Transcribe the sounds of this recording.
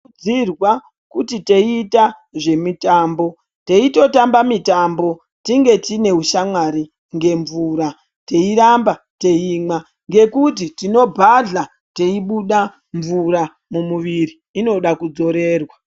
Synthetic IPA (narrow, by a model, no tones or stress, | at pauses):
irwa | kutite̞ita | ʐe̞mitaːmbo̞ | te̞ito̞tambamitambo̞ | tiŋɡe̞tine̞uʃamwaɾi | ŋɡe̞ɱvuːɾa | te̞iɾamba | te̞iːma | ŋɡe̞kutitino̞bʱaɮa | te̞iɓuɗa | ɱvuɾa | mumuʋiriːno̞ɗakud͡zo̞ɾe̞ːrwa